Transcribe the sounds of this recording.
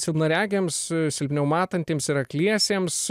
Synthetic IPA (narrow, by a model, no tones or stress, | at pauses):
sʲɪlˠnɐɾʲæːɡʲeːmssʲɪlʲpʲnʲɛʊmɑːt̪ɐnʲt̪ʲeːmsɪɾɐklʲiɛsʲeːms